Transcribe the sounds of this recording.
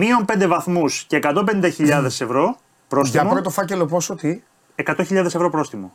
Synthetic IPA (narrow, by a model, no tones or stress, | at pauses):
miompnd̪evɐθmusce̞ːkɐt̪o̞penind̪ɐçiʎɐðe̞se̞vɾo̞ | pɾo̞st̪imoɾot̪ofɐce̞lo̞posot̪i | ekɐt̪o̞çiʎɐðesevɾo̞pɾo̞sθimo̰